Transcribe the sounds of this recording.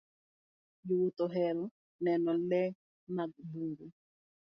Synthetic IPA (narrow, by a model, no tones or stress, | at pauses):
juwutɔɦɛɾɔ | nɛnɔlɛ | maɡ̚buŋɡu